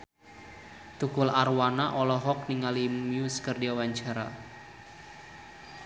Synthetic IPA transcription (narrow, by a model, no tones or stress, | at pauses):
t̪ukʊlarwanaʔɔlɔɦɔk̚niŋalimmjuskərdiawaɲt͡ʃaɾa̰